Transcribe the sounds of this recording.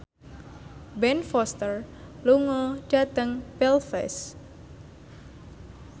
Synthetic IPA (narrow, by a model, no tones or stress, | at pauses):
bɛnfɔst̪ərluŋɔd͡ʒ̥at̪əŋpɛlfɛ̰s